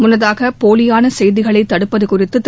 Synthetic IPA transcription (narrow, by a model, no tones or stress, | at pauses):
mʊnːɐðaːɣɐpoːlɪjaːnɐsɛjðɪɣɐɭɐɪt̪ːɐɽɯpːɐðɯkʊrɪt̪ːɯt̪ː